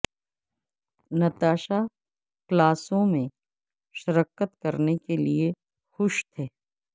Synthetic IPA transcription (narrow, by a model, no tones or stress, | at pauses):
nɐt̪aːʃa | klaːsõmẽ | ʃɐɾəkət̪kɐɾnekelie | xʊʃt̪ʰɛː